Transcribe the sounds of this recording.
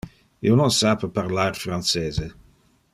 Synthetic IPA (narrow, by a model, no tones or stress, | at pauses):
ḭononsapepaɾlaɾfɾant͡seːze